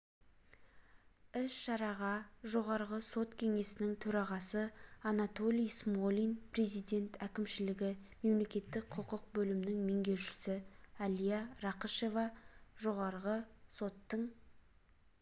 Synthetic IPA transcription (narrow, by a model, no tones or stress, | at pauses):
ɪsʃɑɾɑʁɑʒo̞ʁɑɾʁəso̞t̪kʲʰe̞ŋe̞sɪnɪŋt̪ʰɵɾɑʁɑsəɑnɑt̪o̞lʲijsmo̞lʲijnpre̞zijd̪e̞nt̪ækʲɪmʃɪlɪɡʲɪme̞mle̞kʲe̞t̪ːɪk̚qʰəqəq̚bɵlɪmɪnɪŋme̞ŋɡʲe̞wʃɪ̥sɪɑlijɑɾɑqəʃe̞vɑʒo̞ʁɑɾʁəso̞t̪ːəɴ